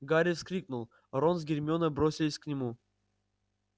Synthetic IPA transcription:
ɡaɾʲifskɾʲiknulˠ | ɾons̬ɡʲɪrʲmʲonəbɾosʲɪlʲɪsʲknʲɪmu

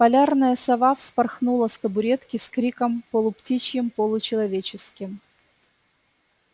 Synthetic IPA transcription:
pɐlʲarnəjəsɐvafspɐrxnulˠəst̪əbʊɾʲet̪kʲɪskɾʲikəmpolˠʊptʲit͡ɕjɪmpolˠʊt͡ɕɪlˠɐvʲet͡ɕɪskʲɪm

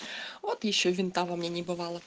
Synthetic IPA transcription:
ɔt̪jiʃt͡ʃɔʋʲint̪ɑʋɐmnʲɛnʲibʊʋɑlˠɐ

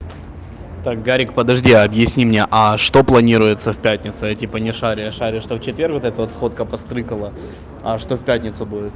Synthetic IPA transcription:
t̪ak̚ɡaɾʲɪkpəd̪ɐʐdʲiɐbjɪsʲnʲimnʲe̞ʔɐʂt̪o̞plˠɐnʲiɾʊjɪt̪səfʲpʲætʲnʲɪt̪sʊjatʲipənʲɪʂaɾʲɪjəʂaɾʲʊʂt̪oft͡ɕɪt̪vʲe̞rkvot̪ɛt̪əvot̪sxo̞t̪̚kəpɐst̪ɾɨkəlˠə | ɐʂt̪o̞fʲpʲætʲnʲɪt̪sʊbudʲɪt̪̚

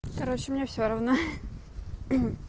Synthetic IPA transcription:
kɐɾot͡ɕɪmnʲefsʲoɾɐvno

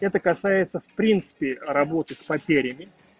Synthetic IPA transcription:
ɛt̪əkɐsajɪt̪səfpɾʲint̪sɨ̥pʲɪrɐbo̞t̪ɨspɐtʲeɾʲɪmʲɪ

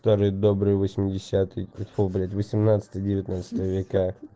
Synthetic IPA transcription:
t̪oɾɨjd̪obɾɨjəvəsʲmʲɪdʲɪsʲat̪ɨjɛt̪poblʲɪt̪vəsʲɪmnat̪sɨ̥t̪əjədʲɪvʲɪt̪nat̪sɨ̥t̪əvəvʲɪka

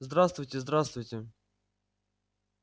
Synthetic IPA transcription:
zd̪ɾast̪vʊjtʲɪzd̪ɾast̪vʊjtʲɪ

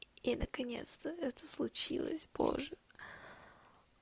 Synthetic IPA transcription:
inəkɐnʲet̪st̪əɛt̪ə̥slˠʊt͡ɕilˠə̰sʲpʰo̰ʐːɨ

